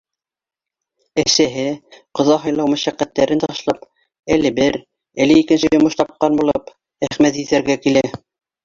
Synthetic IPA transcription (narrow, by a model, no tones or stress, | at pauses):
æsæɦɘqɤ̆ðɑɦɤ̆jlˠɑwmæ̆ʃæqːæt̪ːæɾɘnt̪ɑʃlˠɑp | ælɘbɘɾ | æ̆lɘikɘ̆nsɘjŏmɤʃt̪ɑp̚qɑnbulˠɤp | æχmæt̪jɘ̆θæɾɡækilæ